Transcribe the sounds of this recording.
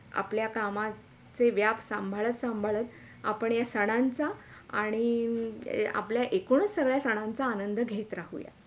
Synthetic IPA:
a̰pljakama | t͡seʋjapsəmbʱaɭət̪səmbʱaɭət̪ | a̰pəɳjasəɽ̃ant͡saaɽ̃i | a̰pljaʔekoɳ̃əsːəɡɭjasəɽ̃ãnt͡saːnənd̪ʱəɡʱet̪ɾaɦṵja̰

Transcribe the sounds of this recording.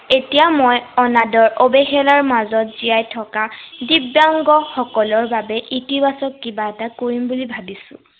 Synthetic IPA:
etijamojɔnadɔɹʔobexɛlaɹmazɔtz̥ijajtʰɔkadibjaŋɡɔxɔkɔlɔɹbabɛʔitibasɔkkibaɛtakoɹimbulibʱabisʊ̰̃

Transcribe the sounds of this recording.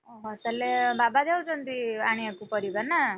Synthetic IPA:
ɔɦt̪alebabad̪ʱewt͡ʃʰɔnt̪iaɽ̃iekupʌɾibaɾna

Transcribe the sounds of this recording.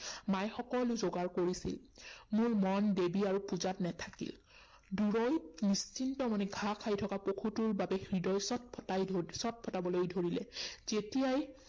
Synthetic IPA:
majxɔkɔlʊzoɡaɹkoɹisḭlmʊɹmɔndebiaɹupuzatnɛtʰakḭl | duɹɔjnist͡ʃʰintɔmanɛɡʱakʰajtʰɔkapokʰutuɹbabɛxɹidɔjsɔt̚pʰɔtajdʱsɔt̚pʰɔtabɔlojdʱoɹilɛz̥etijaj

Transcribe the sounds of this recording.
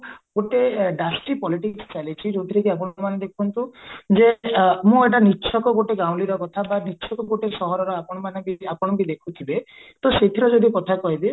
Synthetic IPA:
ɡoʈeɖasʈipɔliʈikst͡ʃalit͡ʃʰid͡ʒot̪ʰiɾekiapɔɽɔmaned̪ekʰunt̪ũd͡ʒemũeʈ̬anit͡ʃʰɔkɔɡoʈeɡaw̃liɾɔkɔt̪ʰabanit͡ʃʰɔkɔɡoʈesɔɦɔɾɔɾɔapɔɽ̃ɔmanɔbiapɔɽ̃ɔkid̪ekʰut̪ʰibet̪ɔset̪ʰiɾɔd͡ʒod̪ikɔt̪ʰakɔɦibe

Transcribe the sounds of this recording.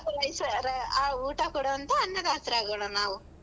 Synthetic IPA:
t̪ɐɾɐjsɐɾɐaːuːʈɐkɔɽoɐnt̪ɐːnːɐd̪aːst̪ɾaːɡoːɳɐnaːʋu

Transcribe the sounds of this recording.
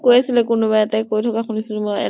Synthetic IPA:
kojasilɛkʊnʊbajɛtɛkojtʰɔkaxunisilmojɛ̰

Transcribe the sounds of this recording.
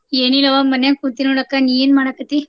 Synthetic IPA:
jeniləʋamənjaŋkut̪inuɽəkːanijenmaɽ̃akət̪i

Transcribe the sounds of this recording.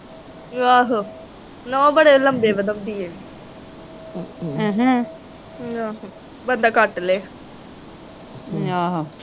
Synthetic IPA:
ʋaːɦo | noːbəɽeːləmbeːbəd̪əmd̪iːeː | ɦ | aːɦ | bənd̪aːkəʈleː | aɦa

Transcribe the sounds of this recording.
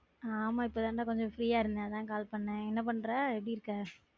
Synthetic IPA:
aːmaːɪpːoːt̪ãːnɖãːkɔɲd͡ʒɔ̃fɾiːaːɪɾɯnd̪at̪ãːkaːlpɐɳːɐ̃ɛnːɐp̬ɐɳːɾaːɛp̬ɽiɪɾɯkːaː

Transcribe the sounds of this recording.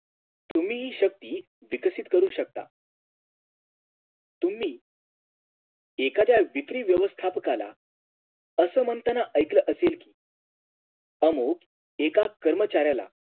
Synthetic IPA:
t̪um̤iːɦiːɕək̚t̪iː | ʋiksit̪kəɾuːɕək̚t̪a̰ | t̪um̤iː | ekat͡ɕjaʋikɾiːʋjəʋəst̪ʰapkala̰ | əsəːmənt̪ənaʔəjkləʔəselkiː | əmok | ekakəɾmət͡ɕaɾjala̰

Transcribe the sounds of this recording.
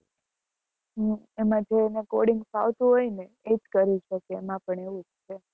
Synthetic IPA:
ɦə | emãd͡ʒʱeːnekoɽiŋɡpa̰ʋt̪ũɦojne | ed͡ʒkəɾit͡ʃʰəkeːmãpəɳeʋũd͡ʒt͡ʃʰe

